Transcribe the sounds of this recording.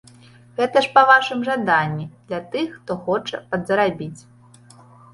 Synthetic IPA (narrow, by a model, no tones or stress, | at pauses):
ɣɛt̪ɐʂpɐvaʂɨmʐad̪anʲːid̪lʲɐt̪ɨxːt̪ɔxɔt͡ʂɐpɐd̪zɐɾabʲit͡sʲ